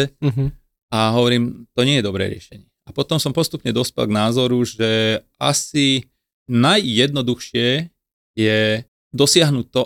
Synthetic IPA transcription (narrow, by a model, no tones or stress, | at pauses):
ɛɦ | aɦɔʋɔɾiːmt̪ɔɲɪɛjɛd̪ɔbɾɛ̰ːɾɪɛ̰ʃɛɲɪɛapɔt̪ɔmsɔmpɔst̪upɲɛd̪ɔspɛ̰lɡnaːzɔɾuʒɛʔasi | najːɛd̪nɔd̪uxʃɪɛ | jɛ | d̪ɔsɪaɦnuc̚t̪ːɔ